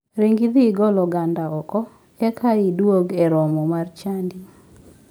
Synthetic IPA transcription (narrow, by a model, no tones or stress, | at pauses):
ɾiŋɡid̪iɡɔlɔɡandaɔkɔ | ɛkʰaidwoɡɛɾɔmɔmart͡ʃandi